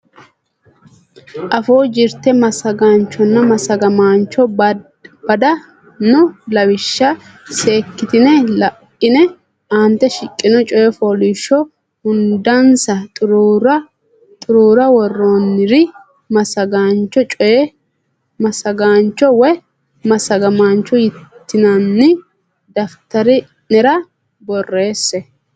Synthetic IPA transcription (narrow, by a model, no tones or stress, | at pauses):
ʔɐfoːd͡ʒɪɾt̪ɛmɐsɐɡaːnt͡ʃːɔnːɐmɐsɐɡɐmaːnt͡ʃːɔ | b̥ɐd̪ɐ | nʊlɐwɪʃːɐ | se̞ːkːɪt̪ɪnɛlɐʔɪnɛ | aːnt̪ːɛʃɪkʼːɪnɔt͡ʃʼɔjɛfoːliːʃːɔ | hʊnd̪ɐnsɐt̪ʼʊɾɾɐ | t̪ʼʊɾuːɾɐwɔrːoːnːɪɾɪ | mɐsɐɡaːnt͡ʃːɔt͡ʃʼɔjɛ | mɐsɐɡaːnt͡ʃːɔwɔj | mɐsɐɡɐmaːnt͡ʃːɔjɪt̪ːɪnɐnːɪ | d̪ɐft̪ɐɾɪ | nɛɾɐ | bɔrːe̞ːsːɛ